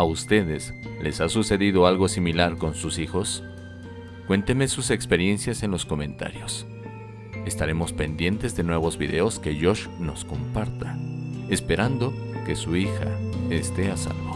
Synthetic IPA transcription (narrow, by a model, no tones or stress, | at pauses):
aust̪e̞ðesle̞sasuse̞ðiðo̞alɣo̞similaɾko̞nsusixo̞s | kwe̞nt̪e̞mesuse̞kspe̞ɾje̞nsjase̞nlo̞sko̞mẽ̞nt̪a̰ɾjo̞s | e̞st̪aɾe̞mo̞spe̞nd̪je̞nt̪e̞zðe̞nwe̞β̞o̞zβḭðe̞o̞ske̞ʝo̞ʃno̞sko̞mpaɾt̪aespe̞ɾand̪o̞ | ke̞suixa̰est̪e̞asa̰lβo